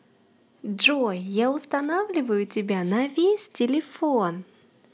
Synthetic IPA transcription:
ʐɔjːawst̪anawlʲivɐjut͡sʲabʲanɐvʲesʲt͡sʲelʲɛfɔn

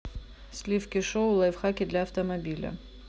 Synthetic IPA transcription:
slʲifkʲɪʂoʊlˠajfxakʲɪd̪lʲɐːft̪ɐmɐbʲilʲɐ̰

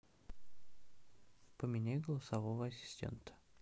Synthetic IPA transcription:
pəmʲɪnʲæjʲɡəlˠəsɐvovəɐsʲɪ̥sʲtʲḛnt̪ə̥

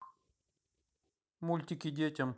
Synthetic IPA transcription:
mulʲt̪ʲikid̪ʲetʲɐm

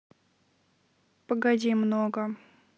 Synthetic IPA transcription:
pəɡɐdʲimnoɡə

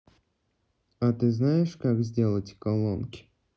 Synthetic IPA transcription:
ɐt̪ɨznajɪʂkakzʲdʲe̞lˠətʲkɐlˠonkʲɪ̥

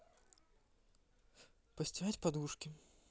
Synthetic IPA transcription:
pɐsʲtʲiɣat͡sʲpad̪uʂkʲi

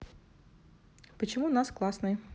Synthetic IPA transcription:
pət͡ɕɪmunasklˠasnɨj

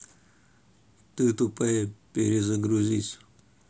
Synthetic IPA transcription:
t̪ɨt̪upɐjepʲeɾʲɪzəɡɾuzʲisʲ

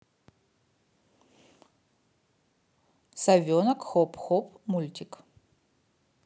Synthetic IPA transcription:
sɐvʲɔnɐkxɔpʰʼxɔpmulʲtʲik

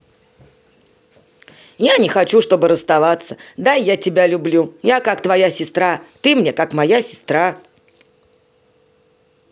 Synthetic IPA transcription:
janʲɪxɐt͡ɕuʂt̪o̞bɨɾəst̪ɐvat̪sə̥d̪ajatʲɪbʲalʲʊblʲujakakt̪vɐjasʲɪst̪ɾat̪ɨmnʲe̞kakmɐjasʲɪ̥st̪ɾa

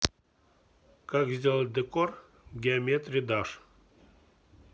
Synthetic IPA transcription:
kakzʲdʲelˠət̚ʲd̪əkor | ɡʲɪɐmʲet̪rʲɪd̪aʂ

